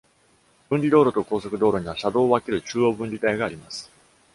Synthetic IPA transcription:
b̥ɯ̟̃ɲʲɾʲid̪o̞ːɾo̞t̪o̞ko̞ːso̞kɯ̟d̪o̞ːɾo̞ɲ̟iβ̞aɕad̪o̞ːβake̞ɾɯ̟t͡ɕɨːo̞ːbɯ̟̃ɲʲɾʲit̪aiɡaːɾʲimasɨ̥

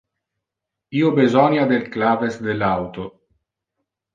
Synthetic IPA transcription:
iːobezɔnjad̪elklaːvesd̪elawt̪o

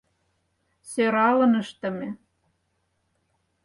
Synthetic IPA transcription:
søɾɑlɤ̆nəʃt̪ə̆mĕ

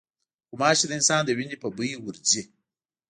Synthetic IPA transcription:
kumaːʃidinsand̪ɐwinipɐbuiwuɾd͡ʒe

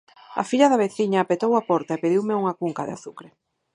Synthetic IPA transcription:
ɐ̰fiʎɐðɐβ̞eθiɲaːpet̪owapɔɾt̪aepeðiwmɪuŋɐkuŋkɐðḛa̰θukɾe

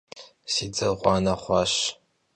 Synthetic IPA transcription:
sid͡zɐʁʷʼɑːnɐχʷɑɕ

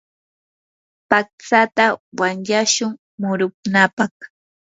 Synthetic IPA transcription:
pak̚t͡sat̪awanʎaʃʊŋ | mʊɾʊknapɑχ

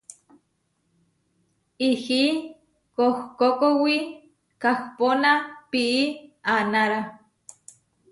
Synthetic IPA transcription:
ihi | kohkokowi | kahponapiʔːanaɾa

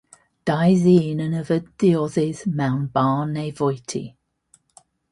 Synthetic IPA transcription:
d̥aɪzinənəvədiɔzɪz̥mãʊ̃nbɑːneɪvɔjtʰḭ

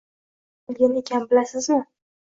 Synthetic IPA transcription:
bɪlˠɡʲane̞kʲʰanbɪlasɪzmɪ

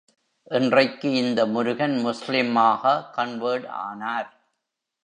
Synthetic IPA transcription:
ʔɪndrɐɪkːɯɪnd̪ɐmʊɾʊɣɐnmʊslɪmaːɣɐkɐɳʋəːɽa̰ːnaːɾ

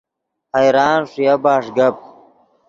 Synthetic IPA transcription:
hɐjɾaːnʂijɐbaːʂɡɐp̚

